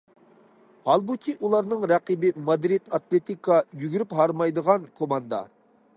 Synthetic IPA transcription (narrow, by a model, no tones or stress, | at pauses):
hɑlˠbukʲʰiʔulˠɑɾnɨŋɾɛqibɪmɑd̪ɾid̪ɑt̪lˠet̪ikʰɑjyɡʲyɾyphɑɾmɑjd̪əʁɑnkʰomɑnd̪ɑ̰